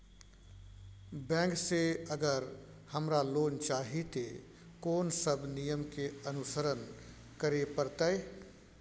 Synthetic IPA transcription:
bɛ̃ːŋkseɐɡəɾ | hɐmɾaloːnt͡ʃaːɦit̪e | koːnsəbnijəmkeɐnʊsəɾən | kəɾepəɾt̪ae

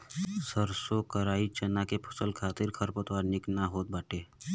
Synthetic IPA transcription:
səɾsokəɾaːit͡ʃɐnakepʰə̥səlkʰaːt̪ɪɾkʰəɾpət̪waːɾnɪknaɦoːt̪̚baːʈeː

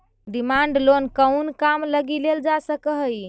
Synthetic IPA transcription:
ɖimaɳɖlonkəʊnkamləɡileld͡ʒasəkəɦj

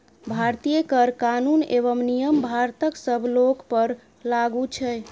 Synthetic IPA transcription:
bʱaɾt̪ijekəɾkanuneβəmnijəmbʱaɾt̪əksəbʱlokpəɾ | laɡut͡ʃʰɛj

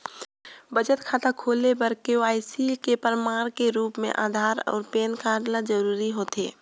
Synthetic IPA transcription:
bəd͡ʒət̪kʰaːt̪akʰoːlebəɾkeoaːisikepəɾmaːɾ̃keɾuːpmḛ̃ʔa̰ːd̪ʱaːɾɔ̰ːɾpeːnkaːɽnad͡ʒəɾuːɾiɦoːt̪ḛː

